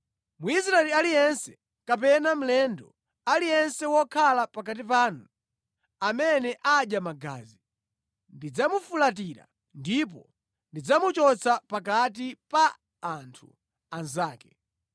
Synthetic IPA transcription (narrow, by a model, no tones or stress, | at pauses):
muis̬ɾaɛlialijɛnsɛ̥ | kap̬ɛnam̩lɛndɔ | alijɛnsɛwɔkʰalapak̬at̬ip̬aːnu | amɛnɛʔaɗjamaɡa̰ːzi | ndid͡zamufulat̬iɾa̰ | ndip̬ɔ | ndid͡zamut͡ʃɔt͡sʰapakat̬ipaː | ntʰṵ | anzaːkɛ